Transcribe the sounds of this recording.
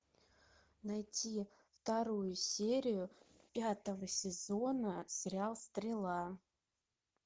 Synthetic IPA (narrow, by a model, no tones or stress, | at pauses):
najtʲʰi | ft̪aɾujʊsʲeɾʲɪjʊpʲat̪əvəsʲɪzonəsʲɪɾʲalˠst̪ɾʲɪlˠa